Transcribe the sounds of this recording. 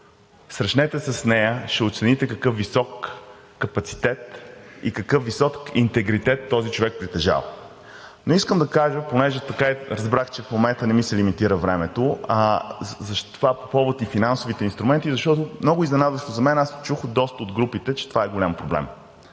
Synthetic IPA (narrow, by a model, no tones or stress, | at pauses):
sɾɐʃnɛt̪ɛsɛsnɛjəʃɛot̪sɛnit̪ɛkɐkɤfvisɔkː | ɐpɐt̪si̥t̪ɛt̪ikɐkɤfvisɔkint̪ɛɡɾit̪ɛt̪ːɔzit͡ʃovɛk̚pɾit̪ɛʒa̰v | noiskəmd̪ɐkaʒəponɛʒɛt̪ɐkaɛɾɐzbɾaxt͡ʃɛfmomɛnt̪ənɛmisɛlimit̪iɾəvɾɛmɛt̪o | zɐʃt̪ovapo̥pɔvot̪ifinansoʊvit̪ɛinst̪ɾumɛnt̪izɐʃt̪ɔt̪ʊmnɔɡʊiznɛnad̪əst̪ozɐmɛnast͡ʃuxd̪ɔst̪əod̪ɡɾupit̪ɛt͡ʃɛ̥t̪ovaɛɡolʲampɾoblɛ̰m